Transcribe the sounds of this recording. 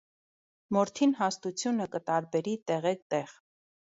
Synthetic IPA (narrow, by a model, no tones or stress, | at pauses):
mɔɾt̪ʰinɦɑst̪ut͡sʰjunəkət̪ɑɾbɛɾit̪ɛʁɛk̚t̪ɛʁ